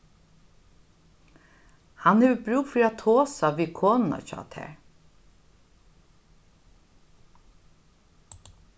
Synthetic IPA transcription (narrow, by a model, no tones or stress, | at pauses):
hanhɛʋəbɾʉːkfiːɾat̪ʰoːsaʋiːkʰoːnna̰t͡ʃɔ̰ːt̪ʰɛ̰ːɹ